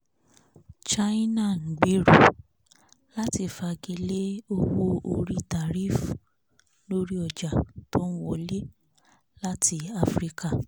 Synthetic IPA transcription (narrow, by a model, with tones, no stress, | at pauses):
t͡ʃa˦i˦na˦˨ŋ̩˨ɡ͡bi˨˦ɾu˨ | la˦ti˧˨fa˧ɡi˧le˦o˧wo˧o˧ɾi˦ta˨ɾi˦fu˨ | lo˦ɾi˦ɔ˨d͡ʒa˨to˦ñ̩˦wɔ˧˨le˦ | la˦ti˧a˧fɾi˦ka˦˨